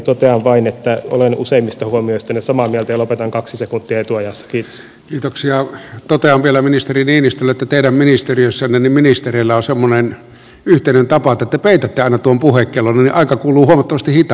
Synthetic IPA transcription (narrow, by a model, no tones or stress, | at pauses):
t̪ot̪eɑʋʋɑinet̪ːæo̰lenṵseimːist̪ɑhuomioist̪ɑnesɑmɑmielt̪æjɑlopet̪ɑŋkɑksisekunt̪ːiɑet̪uɑjɑsːɑ̥kiːt̪o̥ | kiːt̪oksiɑt̪ot̪eɑmʋielæminist̪eriniːnist̪ølːæet̪ːæt̪eˑiɾæmminist̪eriøsːænːenimminist̪ereˑlːæonsemːonen | yht̪eˑinent̪ɑpɑt̪ːæet̪ːæpeˑit̪æt̪ːeɑˑinɑt̪uompuhekːelonːnniʔɑˑikɑkuːluːhuomɑt̪ːɑmɑst̪ihit̪ɑ